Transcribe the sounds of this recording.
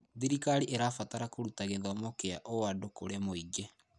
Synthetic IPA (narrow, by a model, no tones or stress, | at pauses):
ðiɾikaɾiʔeɾafataɾakoɾutaɣeðamokeaʔoadokoɾemoid͡ʒe